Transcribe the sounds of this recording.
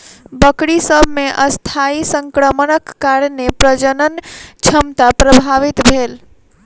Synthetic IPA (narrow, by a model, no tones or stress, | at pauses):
bəkɽisəbʱmeʔəst̪ʰaisəŋkɾəmənəkːaɾnepɾəd͡ʒənənt͡ʃʰəmt̪apɾəbʱaʋit̪bʱel